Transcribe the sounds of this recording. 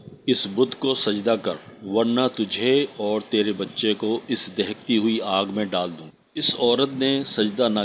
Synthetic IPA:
ɪsbʊd̪ʱkosɐd͡ʒd̪akɐɾʋɐɾnat̪ʊd͡ʒʱeɔːɾt̪eːɾebɐtːʃekoɪsd̪ɛɦk̚t̪iɦʊiaːɡmẽɖaːld̪ũː | ɪsɔːɾət̪nesɐd͡ʒd̪ana

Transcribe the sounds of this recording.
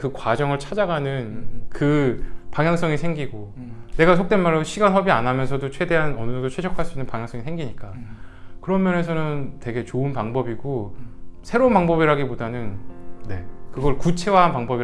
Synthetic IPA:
kɯkwad͡ʑʌŋɯɭt͡ɕʰad͡ʑaɡanɯnkɯpaŋjaŋs͈ʌŋisʰe̞ŋɡiɡo | ne̞ɡasʰokt͈enmaɭːʌɕʰiɡanɦʌbianamjʌnsʰʌdot͡ɕʰwe̞de̞ɦanʌnɯsʰodot͡ɕʰwe̞d͡ʑʰʌkʰaɭs͈uinːɯnpaŋjaŋs͈ʌŋisʰeŋɡiɲik͈akɯɾʌmjʌne̞sʰʌnɯnte̞ɡe̞t͡ɕoɯnpaŋbʌbiɡosʰe̞ɾonpaŋbʌbiɾaɡipodanɯnːe̞̰kɯɡʌɭkut͡ɕʰe̞waɦanpaŋbʌbi

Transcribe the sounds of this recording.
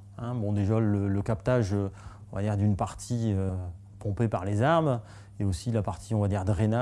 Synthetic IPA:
ɛ̃bɔ̃d̪eʒalələkapt̪aʒø | ɔ̃vad̪iʁd̪ynpaʁt̪ʰiø | pɔ̃pepaʁlezaʁm | eosilapaʁt̪ʰiɔ̃vad̪iʁd̪əʁena

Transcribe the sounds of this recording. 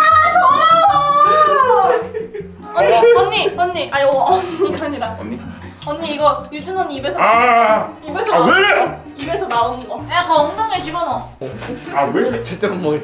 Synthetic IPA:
ʌɲːiʌnːiʌnːiʔaioʌɲikʰaɲida̰i | ʌɲːiːɡʌjud͡ʑɯnʌɲːiibe̞sʰʌ | ibesʰʌwe | ibe̞sʰʌnaonnɡʌjakʌŋdaŋed͡ʑʰimʌnʌ | awet͡ɕet͡ɕ͈eɡɯnmwʌ

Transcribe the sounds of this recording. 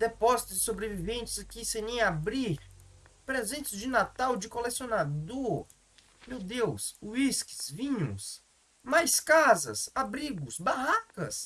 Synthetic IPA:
d̪epɔzit̪ʊzɪsobɾevivẽnt͡ʃɪzkɪsẽɲẽj̃abɾiɾpɾezẽnt͡ʃɪzd͡ʒɪnat̪awd͡ʒɪkolesionad̪oɾ | mewd̪ewsuiskɪ̥zvĩɲṵ̃s | majskazɐ̰sabɾiɡʊsbaɦakɐs

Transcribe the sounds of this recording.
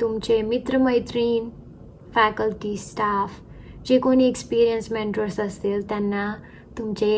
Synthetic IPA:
t̪umt͡ɕemit̪ɾəməjt̪ɾiːn | fɛkəlʈisʈaːf | d͡ʑekoniekspiːɾijənsmeɳʈəɾsəst̪ilt̪ɛnːa | t̪umt͡ɕe

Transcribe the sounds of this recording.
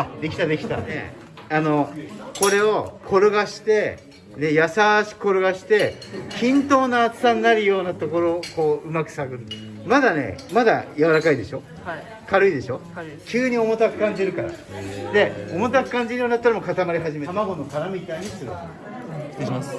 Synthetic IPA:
ad̪e̞kʲi̥t̪ad̪e̞kʲit̪a̰ne̞̰ | ano̞ko̞ɾe̞o̞kʰo̞ɾɯ̟ɡaɕi̥t̪e̞ | ne̞jasaɕi̥ko̞ɾɯ̟ɡaɕi̥t̪e̞kʲĩnt̪o̞ːnaːt͡sɨ̥sãnːaɾɯ̟jo̞ːnat̪o̞ko̞ɾo̞ko̞ːɯ̟makɯ̟̥saɡɯ̟ɾ | mad̪ane̞̰mad̪a̰jaβaɾakaid̪e̞ɕo̞ | kaɾɯ̟id̪e̞ɕo̞ | kʲɨːɲ̟io̞mo̞t̪akɯ̟kãɲ̟d͡ʑiɾɯ̟kaɾa̰d̪e̞o̞mo̞t̪akɯ̟̥kãɲ̟d͡ʑiɾɯjonid̪at̪ːɾamo̞kat̪amaɾʲiɦaʑimeamaɡo̞no̞kaɾamʲit̪aiɲ̟isɨɾo̰̥ | mas

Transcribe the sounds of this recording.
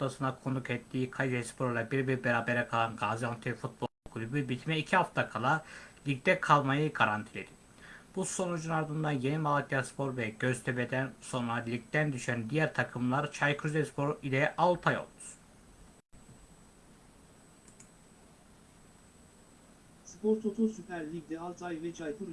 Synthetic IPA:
t̪asɯnakʰo̞nukɛt̪ʰːiːkʰajid̪ɛspʰo̞ɾulˠabiɾbiɾbeɾaːbeɾɛkʰalˠanɡaːzijant̪ʰifut̪̚bolˠkʰulʲybybit̪ʰmɛicʰiɦaft̪ʰakʰalˠalʲic̚t̪ɛkʰalˠmajɯɡaɾant̪ʰilʲe̞d̪i̥ | b̥uso̞nud͡ʒunaɾd̪ɯnd̪anje̞nimalˠat̪ijaspʰo̞ɾvɛɟø̞z̥t̪ʰøbɛd̪ænso̞nɾalʲic̚t̪ænd̪yʃænd̪ijæɾt̪ʰakʰɯmlˠaɾt͡ʃʰajkʰuzɛspʰo̞ɾilʲɛʔalˠt̪ʰajo̞̰lˠd̪u̥s | spʰoɾt̪ʰot̪ʰusypʰæɾlʲikd̪ɛalˠt̪ʰajvɛt͡ʃʰajkʰuɾ

